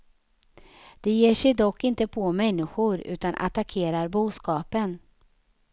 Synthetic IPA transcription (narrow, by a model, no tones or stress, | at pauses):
d̪̥ɛjeːʂɛjd̪ɔkʰːɪnt̪əpʰɔmɛnːɪɧʊɾʉ̟ːt̪anʔa̰t̪akʰeːɾaɾbuːskɑːpən